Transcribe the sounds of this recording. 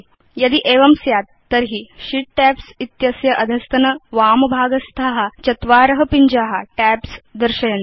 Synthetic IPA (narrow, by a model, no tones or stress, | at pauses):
jɐd̪iʔeːʋɐmsjaːt̪ːɐɾɦiʃiʈ̚ʈæːpsit̪jɐsjɐʔɐd̪ʱɐst̪ɐnɐʋaːmɐbʱaːɡɐst̪ʰaːɦɐ̆t͡ʃɐt̪ʋaːɾɐɦɐpiɲd͡ʒaːɦɐʈæːpsd̪ɐɾʃɐjɐn